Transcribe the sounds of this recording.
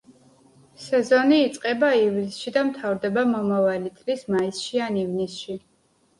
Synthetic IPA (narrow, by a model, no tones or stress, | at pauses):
sɛzɔniːt̪sʼqʼɛbaivlisʃid̪amt̪ʰavɾd̪ɛbamɔmavalit̪sʼlismaisʃianivnisʃi